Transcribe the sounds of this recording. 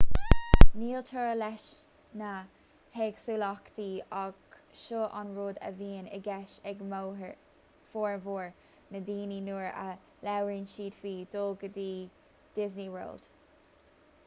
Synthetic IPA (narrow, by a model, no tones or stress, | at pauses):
niːltʰəɹlɛʃ | na | heːɡ̥suːlɔkd̪̥iːɑɡ | ʃoʔanɹoːd̪ə̰viːənə̰ɡɛʃɛɡm | foːɹvoːɹ | nəd̪iːninuːɹə̰ | lɛwɹinʃiːd̪̥fiːd̪̥oːɡəd̪iː | d̪̥ɪzniwə̰ld̪̥